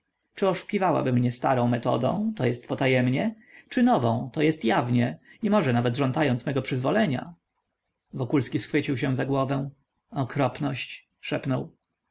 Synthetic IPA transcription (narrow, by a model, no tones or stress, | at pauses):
t͡ʂɘɔʂu̥kʲivawa̰bɘmɲɛst̪aɾɔ̃w̃mɛt̪ɔ̰d̪ɔ̰̃w̃t̪ɔjɛst̪pɔt̪ajɛmɲɛ | t͡ʂɘnɔvɔ̃w̃t̪ɔjɛst̪javɲɛimɔʐɛnavɛt̪ʐɔnt̪ajɔnt̪smɛɡɔpʂɘzvɔlɛɲa̰ | vɔkulskʲisxfɘt͡ɕiwɕɛw̃zaɡwɔvɛw̃ | ɔkɾɔpnɔɕt͡ɕ | ʂɛpnɔw